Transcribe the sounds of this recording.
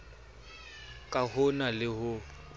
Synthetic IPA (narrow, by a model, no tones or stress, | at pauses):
kʼahʊnalɪɦʊ